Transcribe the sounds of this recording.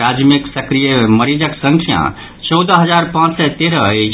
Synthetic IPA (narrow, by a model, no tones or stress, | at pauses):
ad͡ʒmiksəkɾijeməɾid͡ʒəksə̃ŋkʰijã̰ | t͡ʃɔwd̪əɦəd͡ʒaɾpãt͡ʃsɛt̪eɾəɛt͡ʃʰ